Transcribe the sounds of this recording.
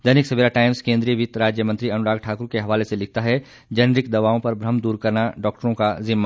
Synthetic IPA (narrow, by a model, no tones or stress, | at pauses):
d̪ɐnɪksɐbiɾaʈaːɪmzkẽːnd̪ɾijəʋit̪ɾaːd͡ʒjəmɐ̃nt̪ɾiɐnʊɾaːɡʈʰaːkʊɾkeɦɐʋaːleselɪk̚ʰt̪aɦɛ | d͡ʒɐnɾɪkd̪ɐʋaːõpɐɾbɾɐmd̪uːɾkɐɾnaɖɔːk̚ʈəɾõkazɪmːa